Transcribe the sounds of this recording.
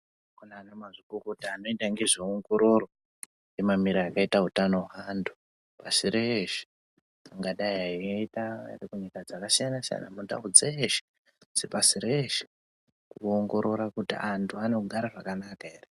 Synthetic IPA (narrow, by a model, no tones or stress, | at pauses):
kunaːnamazikukutiano̞itaŋɡe̞ʐioŋɡo̞ɾo̞ro̞ | nemamiɾaːkaitautano̞ɦandʱu̥ | pasireʃi̥ | aŋɡaɗaiɦaiitaa̰rikuɲikad͡zakasijanasija̰na̰muta̰ud͡zeʃi̥ | sepasiɾeʃi̥ | kuoŋɡo̞ɾo̞ɾakutḭʔantʰuanekuɡʱaɾaʐakanakaere